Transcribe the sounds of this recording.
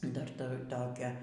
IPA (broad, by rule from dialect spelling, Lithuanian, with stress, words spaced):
ˈdɐr ˈtʊr ˈtoːkʲæː